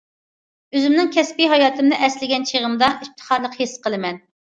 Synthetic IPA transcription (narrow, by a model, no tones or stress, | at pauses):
øzymnɪŋkʲʰɛspiɦɑjɑːt̪ʰɨmd̪ɨʔɛslɪɡʲɛnt͡ʃʰeʁəmd̪ɑʔip̚t̪ʰə̥χɑɾlˠəqhesqəlˠɨmɛn